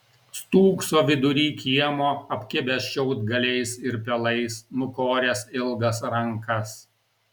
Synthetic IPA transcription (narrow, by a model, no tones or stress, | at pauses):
st̪uːksoːʋʲɪd̪ʊɾʲiːkʲiɛmoːɐpʲkʲɪbʲɛsʃʲɛʊd̪ɡɐlʲɛɪsɪɾpʲɛlˠɐɪsnʊkoːɾʲɛːsɪlˠɡɐsɾɐŋkɐs